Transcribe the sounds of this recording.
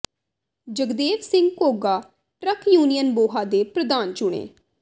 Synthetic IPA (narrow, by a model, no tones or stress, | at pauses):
d͡ʒəɡd̪eːʋsɪ̃ŋɡkoːɡaː | ʈɾəkʰjuːnijənboːɦaːd̪eːpɾəd̪aːnt͡ʃʊɽ̃ḛː